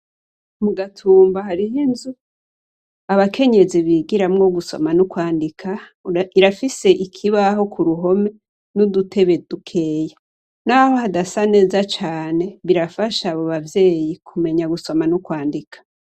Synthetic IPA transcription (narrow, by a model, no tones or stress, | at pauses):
muɡatʰuːmbahaɾihinzu | aβakʰe̞ɲe̞ziβiːɡiɾamŋo̞ɡuso̞̰manukwaːndikʰaiɾafise̞ʔikʰiβaɦo̞kʰuɾuɦo̞me̞ | nudutʰe̞βe̞d̥ukʰe̞je | naho̞hadasane̞ːzat͡ʃaːne̞βiɾafaʃaβo̞βavje̞ːjikʰume̞ɲaɡuso̞manukwaːndikʰḁ